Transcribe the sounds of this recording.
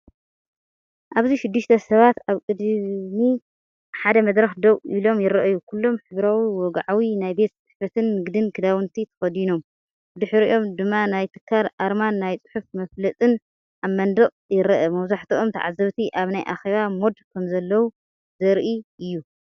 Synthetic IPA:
ʔaβziʃɪd̪ːɨʃt̪ʰɐsɐβat̪aβkʼɨd̪mi | ħad̪ɐmɐd̪ɾɐxd̪ɐwʔilo̞mjɪɾɐʔɐjukʰulːo̞mħɨβɾawiwɔɡʕawinajbe̞t̪t͡sʼɨħfɐt̪ʰɨnːɨɡd̪ɨnkʰɨd̪awɨnt̪ʰit̪ʰɐ̥fɐd̪ino̞m | bɨd̪ɨħɨɾḭʔo̞md̪ɨmːanajt̪ʰɨ̥kʰːaɾʔaɾmanːajt͡sʼɨ̥ħufmɐflɐt͡s̪ʼɨn | ʔamːɐnd̪ɐχʼjɪɾɐʔɐmɐwzaħt̪iʔo̞mt̪ʰɐ̰ʕa̰zɐβt̪ʰiʔaβnajʔa̰xe̞βamo̞d̪kʰɐmzɐlːɐwu | zɐɾʔiɨjːu

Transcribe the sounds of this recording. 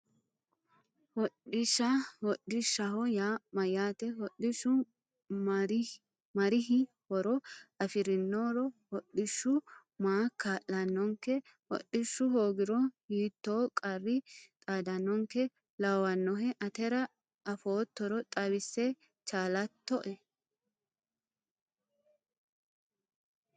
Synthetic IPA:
hɔᶑɪʃɐhɔɗɪʃɐhɔjaːmɐjaːt̪ɛɦɔɗɪʃʊ | m | mɐɾɪɦɪ | hɔɾɔɐfɪɾɪnːoɾɔhɔɗɪʃːʊ | maːkaːʔːɐnːɔŋkɛ | hɔ̰ɗːɪʃːʊɦoːɡɪɾɔhiːt̪ːoːkʼɐrːɪt̪ʼaːd̪ɐnːɔŋkɛ | lɐwɐnːɔɦɛʔɐt̪ɛɾɐː | foːt̪ːɔɾɔt̪ʼɐbɪsːɛ | t͡ʃaːlɐt̪ːɔʔɛ

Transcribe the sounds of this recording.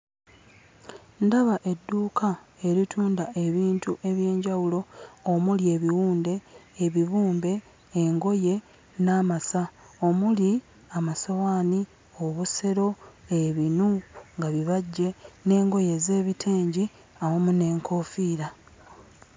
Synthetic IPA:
ndaβaʔe̞dːuːkae̞ɾitʰuːndaʔe̞βiːntuʔe̞βje̞ːɲɟawulo̞ːmulie̞ːβiwuːnde̞ːβiβuːmbe̞ː | ŋɡo̞je̞ | naːmasa | o̞muli | amasawaːni | o̞βuse̞ɾo̞eβinuŋɡaβiβaɟːe̞ne̞ːŋɡo̞je̞ze̞ːβitʰeːɲɟi | awomune̞ːŋkʰo̞fiːɾa

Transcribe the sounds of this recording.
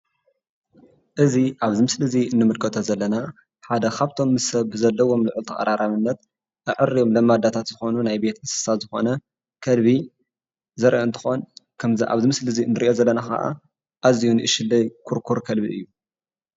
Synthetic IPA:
ʔɨziʔaβzɨmɨslɨziɨnːɨmɨd̪kʼɐt̪ʰozɐlːɐna | ħad̪ɐkʰaβt̪ʰo̞mːɨsɐβːɨzɐlːɐwo̞mlɨʕɨlt̪ʰɐxʼɐ̰ɾaɾaβɨnːɐt̪ | ʔɨʕɨɾːijo̞mlɐmːad̪at̪ʰat̪z̥ɨxo̞nunajbe̞t̪mɨsɨ̥sazɨxo̞nɐ | kʰɐlβi | zɐɾʔɐɨnt̪ʰɨ̥xonkʰɐmzʔa̰βzɨmɨslɨziɨ̰nːɨɾiʔo̞zɐlːɐnaxɐ̰ʔa̰ | ʔazijunɨʔɨʃɪlːɐjkʰuɾkʰuɾkʰɐlbiʔɨ̰jːu

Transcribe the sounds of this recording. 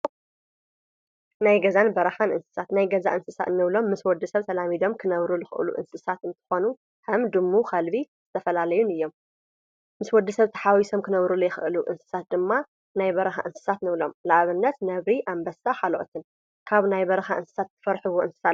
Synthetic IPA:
najɡɐzanbɐɾɐxanɨ̰nsɨ̥sat̪najɡɐza̰ʔɨnsɨsa̰nɨβlo̞mːɨswɔd̪ːɨsɐβt̪ʰɐlamid̪o̞mkʰɨnɐβɾulɨxɨʔɨ̰lṵʔɨ̰nsɨsat̪ɨnt̪ʰɨ̥xo̞nu | hɐmd̪ɨmːukʰɐlbiz̥ɨt̪ʰɐfɐlalɐjunɨjːo̞m | mɨswɔd̪ːisɐβt̪ʰɐ̥ħawiso̞mkʰɨnɐβɾulujɪxɨʔɨluʔɨnsɨ̥sat̪̚d̪ɨmːa | najbɐɾɐxa̰ʔɨnsɨ̥sat̪nɨβlo̞mlaʔaβɨnːɐt̪nɐβɾiʔambɐsaħaloʔo̰t̪ʰɨn | kʰaβnajbɐɾɐxaʔɨnsɨ̥sat̪ːʰɨ̥fɐɾħɨβoʔɨnsɨ̥sa

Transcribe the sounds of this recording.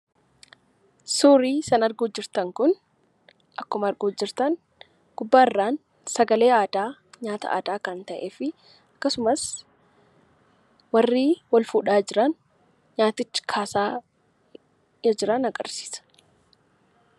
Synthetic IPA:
suːɾiːsɐnɐɾɡoːd͡ʒːɪɾt̪ɐŋkʊn | ʔɐkːʊmɐɐɾɡoːd͡ʒːɪɾt̪ɐn | ɡ̥ʊbːaːɪrːaːn | sɐɡɐle̞ːaːd̪aːɲaːt̪ɐ̰ʔa̰ːd̪aːkɐnt̪ɐʔeːfɪ | ɐkːɐsʊmɐs | wɐrːiːwɐlfuːᶑaːd͡ʒɪɾɐn | ɲaːt̪ɪt͡ʃːɪ̥kʰaːsaː | jɐd͡ʒɪɾɐnɐɡɐ̰ɾsi̥ːsɐ̥

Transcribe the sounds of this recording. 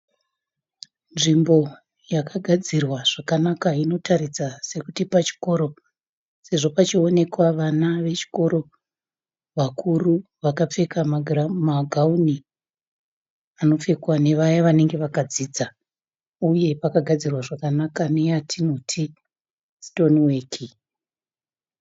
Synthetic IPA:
nʐimbo̞ | jakʰaɡʱad͡zirwaʐ̥akanakaino̞tʰaɾid͡zase̞kutipat͡ʃi̥ko̞ɾo̞ | se̞ʐo̞pat͡ʃio̞ne̞kwaʋanaʋe̞t͡ʃi̥ko̞ɾo̞ | ʋakʰuru | ʋakap͡fe̞kamamaɡʱauni | ano̞fe̞kwane̞ʋajaʋane̞ŋɡe̞ʋakad͡ziːd͡za | uje̞pakaɡʱad͡zirwaʐakanakane̞jatʰino̞tʰi | sto̞niweːkʰi

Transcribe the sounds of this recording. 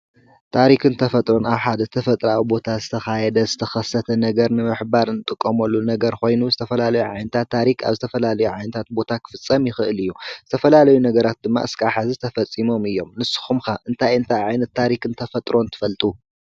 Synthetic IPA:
t̪ʰaɾikɨnt̪ʰɐfɐt̪ʼɾo̞naβħad̪ɐt̪ʰɐfɐt̪ʼɾawibo̞t̪ʰazɨt̪ʰɐxajɛd̪ɐzɨt̪ʰɐxɐsɐt̪ʰɐnɐɡɐɾnɨmɨħbaɾɨnɨt̪ʼɨkʼːomɐlːunɐɡɐɾko̞jnuzɨt̪ʰɐfɐlalɐjuʕa̰jnɐt̪ʰat̪ʰːaɾika̰βzɨt̪ʰɐfɐlalɐjuʕajnɐt̪ʰat̪̚bo̞t̪ʰakʰɨ̥fɨt͡sʼːɐmjɪxɨʔɨlɨjːuzɨt̪ʰɐfɐlalɐjunɐɡɐɾat̪̚d̪ɨmːa̰ʔɨskʰʼaħazit̪ʰɐfɐt͡sʼːimo̞mɨjːo̞mnɨsɨ̥xumxaʔɨnt̪ʰajɨnt̪ʰajʕajnɐt̪ʰːaɾikɨnt̪ʰɐfɐt̪ʼɾo̞nt̪ʰɨ̥fɐlt̪ʼu

